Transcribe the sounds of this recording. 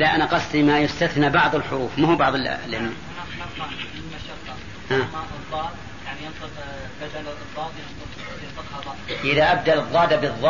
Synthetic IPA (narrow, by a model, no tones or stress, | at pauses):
laʔanaqɑsˤt̪imajʊst̪aθnabɑʕðˤəlħʊɾuːfmahubɑʕðˤl̰lɪm | aɑɾmɑʕɪlmaʃɑqːɑ | ʔaːmɑɨd̪ˤːɑːd̪ | jaʕnijɪnt̪ˤɨq | bad͡ʒ̪ald̪ˤːɑːd̪jɪnt̪ˤɨq | jɪnt̪ˤɨqhɑd̪ˤɑʔɪðaʔab̚d̪alɨðˤːɑːd̪abɨðˤːɑ